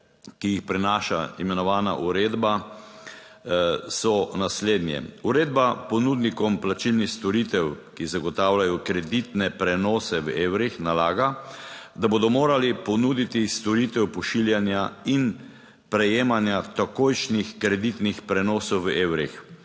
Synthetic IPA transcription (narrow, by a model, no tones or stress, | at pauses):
kijixpɾɛnaːʃa̰imɛnɔʋaːna̰ʔuɾeːd̪ba | sɔnasleːd̪njɛ̰uɾeːd̪bapɔnuːd̪nikɔmplat͡ʃilnixst̪ɔɾit̪ɛwkizaɡɔt̪aːwlajɔkɾɛd̪it̪nɛpɾɛnɔːsɛʋeːwɾixnalaːɡad̪aboːd̪ɔmoːɾalipɔnuːd̪it̪ist̪ɔɾit̪ɛwpɔʃiljanjain | pɾɛjeːmanjat̪akoːjʃnixkɾɛd̪it̪nixpɾɛnɔːsɔwʋeːwɾix